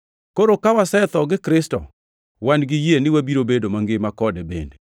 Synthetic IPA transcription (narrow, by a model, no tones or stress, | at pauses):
koɾokawasɛt̪ɔɡɪkɾɪstɔ̰ | wanɡɪjenɪwabiɾobedomaŋɡɪmakɔdɛbḛnde